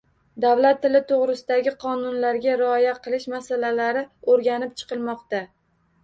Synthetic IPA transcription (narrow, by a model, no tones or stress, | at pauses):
d̪avlat̪ʰːɪlɪt̪ʰoʁɾɪsɪd̪aɡʲɪqʰɒnʊnlaɾɡʲaɾɪɒjaqʰɨlˠɪʃmasalalaɾɪoɾɡʲanɪp̚t͡ʃʰɨ̥qʰɨlˠmɒqt̪a